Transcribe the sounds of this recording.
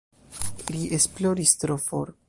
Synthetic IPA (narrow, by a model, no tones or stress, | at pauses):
liʔesploɾist̪ɾofo̰ɾ